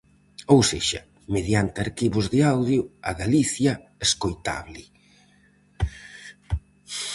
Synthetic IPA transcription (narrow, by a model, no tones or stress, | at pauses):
owseʃɐ | meðjant̪ɪaɾkiβʊzðɪawðjʊaɣaliθjɐeskojt̪a̰βlɪ